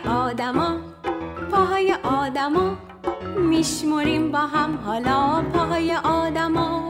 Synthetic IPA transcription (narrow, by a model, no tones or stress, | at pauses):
ɔːd̪amɔ | pʰɔɦɔjeʔɔːd̪amɔ | miʃmuɾimbɔɦamɦɔlɔpʰɔɦɔjeʔɔd̪amɔ